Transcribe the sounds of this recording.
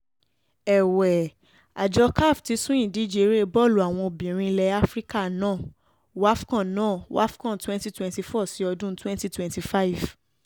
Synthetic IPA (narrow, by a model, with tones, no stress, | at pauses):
ɛ˨wɛ˨ | a˨d͡ʒɔ˧ka˦˨fti˨˧˦sũ˦ĩ˨dĩ˨˦d͡ʒe˨˧˨ɾe˦˧bɔ˦˨lu˨a˨w̃ɔ̃˧o˧˨bĩ˨ɾ̃ĩ˧i˧lɛ˧˦a˦fɾi˦ka˦˨nãː˦˨ | wa˦fkã˦˨nãː˦˨wa̰˦fkã˦˨˦twɛ̃˦nti˦twɛ̃˧nti˧fɔ˦˨si˨˦ɔ˧dũ˦twɛ̃˦nti˦twɛ̃˨nti˧fa˦i˨v